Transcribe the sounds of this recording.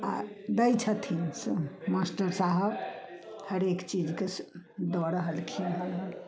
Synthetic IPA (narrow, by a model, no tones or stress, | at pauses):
a̰d̪əjt͡ʃʰət̪ʰinsmasʈəɾsaɦəbhəɾekt͡ʃid͡ʒkesd̪ɔɾəɦəlkʰimɦəlɦəl